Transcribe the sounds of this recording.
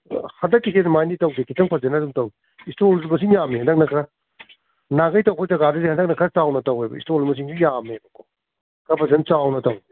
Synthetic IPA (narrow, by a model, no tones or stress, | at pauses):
hɐndɐkːisʰenmajnitɐwɡikʰitɐŋpʰɐzenɐduŋtɐwi | istolsmɐs̬iŋjamehɐndɐk̚nɐkʰɾɐ | naɡɐjtɐwpʰɔjzɐɡaduzehɐndɐk̚nɐkʰɾɐt͡ʃawnɐtɐwejbɐ̰ḭstolmɐs̬iŋsijamebɐkʰo | kɐbʰɐzent͡ʃawnɐtɐw